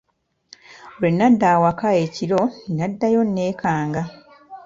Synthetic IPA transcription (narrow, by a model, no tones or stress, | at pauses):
olwenːadːaːwakae̞ːciɾo̞ninadːajo̞nːe̞ːkaːŋɡa